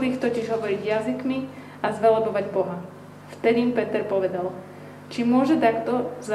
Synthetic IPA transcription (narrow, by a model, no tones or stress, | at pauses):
lixt̪ɔciʒɦɔʋɔɾiɟjazikmi | azʋɛlɔbɔʋaɟbɔɦa | ft̪ɛd̪iːmpɛt̪ɛɾpɔʋɛd̪al | t͡ʃimʊɔʒɛt̪akt̪ɔz